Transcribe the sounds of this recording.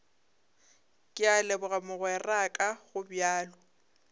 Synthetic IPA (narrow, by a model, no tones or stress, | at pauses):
kʼɪalɛbʊɣamʊɣwɛrakʼaɣʊbjaːlɔ